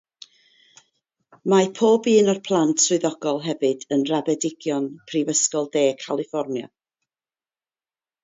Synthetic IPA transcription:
mapʰoːbiːnɔrpʰlˠantʰswʊðɔɡ̥ɔlˠɦɛvɨdənrabɛdɪɡ̥jɔnpʰrivəskɔlˠdeːkʰalˠɪfɔrnjɔ̰

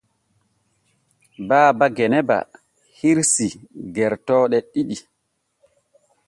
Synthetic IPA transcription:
baːbaɡɛnɛba̰ | hiɾsiɡɛɾtɔːɗɛɗiɗi

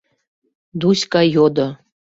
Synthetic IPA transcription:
d̪usʲkɑjod̪ŏ

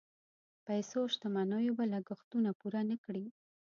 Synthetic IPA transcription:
pajsoʃt̪amanajobalaɡʊxt̪unapuɾanəkɽi

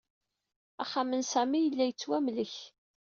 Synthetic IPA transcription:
æχːamənsæmijəlːæjət͡sːwæmləç

